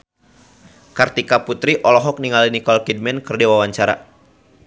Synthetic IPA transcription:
kart̪ikaput̪ɾiʔɔlɔɦɔk̚niŋalinikɔlkid̚mɛnkərdewawaɲt͡ʃaɾa̰

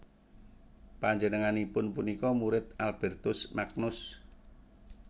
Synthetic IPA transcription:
paɲd͡ʒənəŋanipʊnpunikɔmuɾɪt̪̚alb̥ɛrt̪ʊsmak̚nʊs

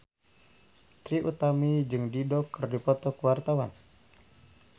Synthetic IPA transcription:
t̪ɾiʔut̪amid͡ʒɨŋdidɔkːɨrdipɔt̪ɔkuwart̪awan

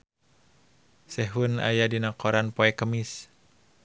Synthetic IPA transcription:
sɛɦuna̰jadinakɔɾanpɔɛkəmis

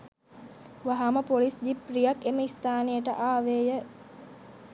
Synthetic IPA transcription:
ʋaɦaməpolisd͡ʒiprijakeməist̪aːnejəʈəʔaːʋeːjə

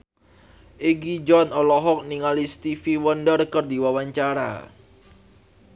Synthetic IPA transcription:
ʔeɡid͡ʒɔnɔlɔɦɔk̚niŋalist̪ifiwəndərkərdiwawaɲt͡ʃaɾa̰

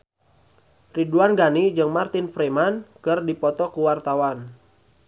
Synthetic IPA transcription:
riduanɡanid͡ʒɨŋmart̪ɪnfɾemankɨrdipɔt̪ɔkuwart̪awan

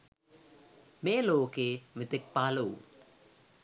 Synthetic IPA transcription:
meːloːkemɪt̪ɪk̚paːlow

